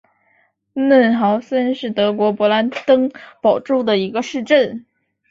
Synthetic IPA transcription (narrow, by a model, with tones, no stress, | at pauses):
nə˥˩nxɑ˧˥ʊsə˥nʂɻ̩˥˩t̪ɤ˧˥kwɔ˧˥pwɔ˧˥la˧˥nt̪ɤ˥ŋpɑ˨˩ʊʈ͡ʂu˥˩d̪ə˩i˧˥ɡə˧ʂɻ̩˥˧ʈ͡ʂə˥˩n